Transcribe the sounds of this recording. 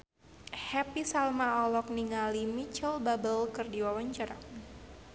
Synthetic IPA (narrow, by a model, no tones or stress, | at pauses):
hɛpisalmaɔlɔk̚niŋalimit͡ʃəlbabəlkɨrdiwawaɲt͡ʃaɾa